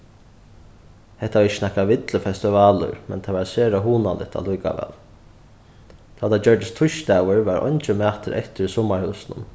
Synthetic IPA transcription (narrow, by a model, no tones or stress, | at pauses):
hɛht̪aɪt͡ʃːə̥snahkaʋɪt̪ləfɛst̪ɪvaːlʊ̰ɾmɛ̰nt̪ʰaʋaɾseːɾaɦuːnalʔɪ̰t̪ʰa̰lujka̰ʋɛ̰ːl | t̪ʰːat̪ʰat͡ɕœɹd̪ɪst̪ʰʊʃt̪aːwəɹʋaɾʔɔ̰ɲt͡ɕɪmæːt̪əɾɛ̰ht̪ɪɾsɔmːaɹhʉwsnʊ̰n